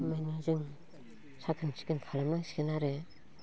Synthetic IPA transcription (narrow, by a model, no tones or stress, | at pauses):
majnɯzɯŋ | sʰakʰɯnsʰi̥kɯnkʰalamnaŋsi̥kɯnaɾe